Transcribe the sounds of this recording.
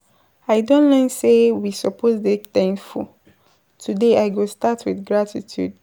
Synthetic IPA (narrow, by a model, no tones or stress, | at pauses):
aɪdõnlɛ̃nsewisɔpʰozdetɛ̃ŋfṵ | tʰudeaɪɡostatʰwiθɡɹatʰitʰjṵd